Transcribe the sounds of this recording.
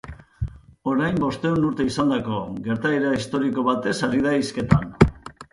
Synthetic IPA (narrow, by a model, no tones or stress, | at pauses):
o̞ɾajmbo̞st̪e̞unuɾt̪e̞isand̪ako̞ɣe̞ɾt̪aeɾaist̪o̞ɾiko̞βat̪e̞saɾið̞aiske̞t̪an